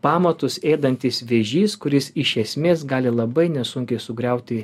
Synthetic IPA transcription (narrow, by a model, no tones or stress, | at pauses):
pɑːmɐt̪ʊseːd̪ɐnʲt̪ʲɪsʋʲɛʒʲiːskʊɾʲɪsɪʃʲɛsʲmʲeːsɡɑːlʲɪlˠɐbɐɪnʲɛsʊŋʲkʲɛɪsʊɡɾʲɛʊt̪ʲɪ